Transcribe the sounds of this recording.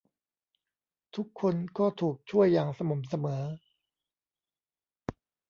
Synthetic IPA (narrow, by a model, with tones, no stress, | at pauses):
t̪ʰu˦˥kʰːo˧nkɔː˥˩t̪ʰuː˨˩k̚t͡ɕʰu˥˩əjːaː˧ŋsa˧mo˩˦msa˧mɤː˩˦